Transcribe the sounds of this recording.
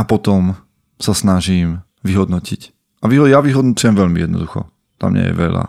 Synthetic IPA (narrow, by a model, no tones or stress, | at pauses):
apɔt̪ɔm | sasnaʒiːm | ʋiɦɔd̪nɔcic | ʔaʋiɦɔjaʋiɦɔd̪nut͡sujɛmʋɛʎmijɛd̪nɔ̰d̪uxɔ̰ | t̪a̰mɲɛ̰jɛ̰ʋɛla̰